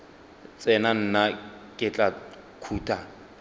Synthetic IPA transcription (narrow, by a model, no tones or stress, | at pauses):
t͡sʼɛnan̩nakʼɪt͡ɬʼa | kʰuːtʼa